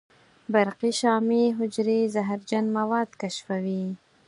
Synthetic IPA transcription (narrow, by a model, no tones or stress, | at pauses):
baɾqiʃɑmeɦʊd͡ʒɾezaɦaɾd͡ʒanmawɑd̪kaʃfawi